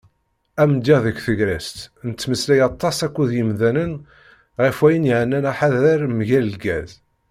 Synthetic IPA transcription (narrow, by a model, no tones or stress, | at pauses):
æmd̪iðəkθəɡɾæst̪nət͡s̪ːməslæjɑt̪ˤːɑsækʷːuðjəmðænən | ʁifwæjənjʕənːænæħaðɾəɾmʝæləlɡæ̰z